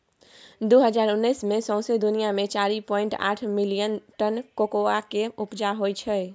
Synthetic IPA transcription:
d̪uɦəd͡ʒaɾunːəjsmesɔ̃w̃sed̪unijamet͡ʃaɾipɔiɳʈa̰ʈʰmilijənʈənkokoakeupd͡ʒaɦojt͡ʃʰəj

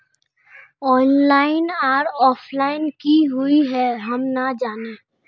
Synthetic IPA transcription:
ɔːnlaːɪnaːɾɔːpʰlaːɪnkiɦʊiɦɛɦɐmnad͡ʒaːne

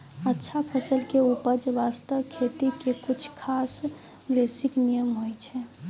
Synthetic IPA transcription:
ətːʃʰapʰəsəlkeupəd͡ʒʋast̪əʋkʰet̪ikekʊt͡ʃʰkʰaːs | ʋesɪknijəmɦojt͡ʃʰɛ

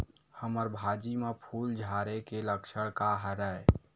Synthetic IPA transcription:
həməɾbʱad͡ʒimepʰuld͡ʒʱaɾekeləkt͡ʃʰəɽkaɦəɾə

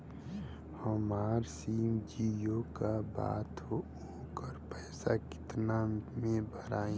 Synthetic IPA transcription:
həmaːɾsiːmd͡ʒiːjokaba̰ːt̪ɦo | oːkəɾpɛːsakɪ̥t̪namẽbʱəɾaːĩ

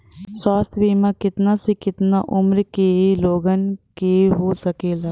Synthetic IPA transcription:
swaːst̪ʰbiːmakɪt̪nasekɪt̪naʔʊmɾkeloːɡənkeɦosəkeːlaː

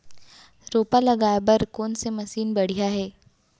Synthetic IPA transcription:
ɾoːpalɐɡaːjbɐɾkɔːnsemɐsiːnbɐɽ̤ijaɦɛː

